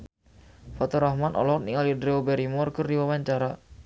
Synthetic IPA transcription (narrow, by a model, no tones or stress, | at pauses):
fat̪ɔɾahmanʔɔ̰lɔt̪niŋalidɾeobɛɾimɔrkərdiwawaɲt͡ʃaɾa